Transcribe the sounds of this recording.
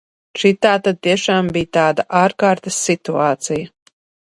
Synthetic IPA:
t͡ʃit̪aːt̪ad̪̚t̪iɛʃaːmbijt̪aːd̪aʔaːɾkaːɾt̪ɐsːit̪uaːt̪sija

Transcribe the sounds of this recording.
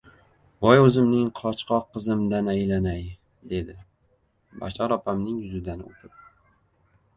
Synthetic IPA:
bɒjɵzɪmnɪŋqʰɒt͡ʃqʰɒqːɨzɪmd̪anajlanaj | d̪e̞d̪ɪ | ba̰t͡ʃʰɒɾɒpʰamnɪŋjʊzɪd̪anɪo̰p̪ʰɪp̚

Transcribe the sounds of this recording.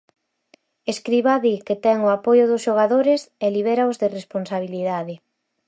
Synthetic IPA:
eskɾiβaðiket̪ɛŋʊapojʊðʊsʃoɣ̞aðoɾɪseliβ̞ɛɾaʊzðɪresponsaβ̞iliðaðɪ

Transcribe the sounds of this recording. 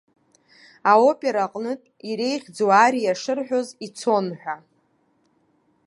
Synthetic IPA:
ao̞pʼe̞ɾaqʼnɨtʼiɾe̞jχʲd͡zuaɾijaʂɨrħʷᶣo̞zit͡sʰo̞nħʷᶣa

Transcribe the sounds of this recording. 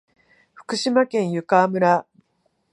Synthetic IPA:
ɸɯ̥kɯ̟ɕimakẽ̞ɰ̃jɯ̟kaːmɯ̟ɾa

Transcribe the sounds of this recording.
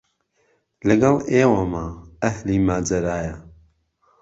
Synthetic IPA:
lɨɡɐleːwamaːɐhliːmaːd͡ʒɐɾaːja

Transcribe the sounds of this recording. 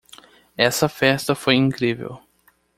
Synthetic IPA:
ɛsɐfɛst̪ɐfojĩŋkɾivḛw

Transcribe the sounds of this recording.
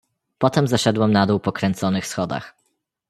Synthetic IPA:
pɔt̪ɛmzaʂɛd̪wɛmnad̪uwpɔkɾɛnt̪sɔnɘxsxɔd̪a̰x

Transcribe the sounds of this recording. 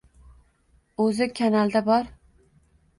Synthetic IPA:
ɵzɪkʲʰanalˠd̪abɒɾ

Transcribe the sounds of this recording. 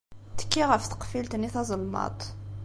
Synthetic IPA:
t̪ə̥kːiʁəft̪ə̥qfilt̪niθɑzˤəlmɑ̰t̪ˤ

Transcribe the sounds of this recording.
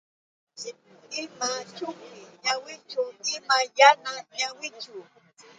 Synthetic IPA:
imat͡ʃukijawit͡ʃoimãjanaɲawit͡ʃu

